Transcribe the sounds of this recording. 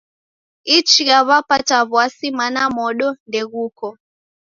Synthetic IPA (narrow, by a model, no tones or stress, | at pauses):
it͡ʃiɣaβapataβwasimanamɔɗɔndɛɣukɔ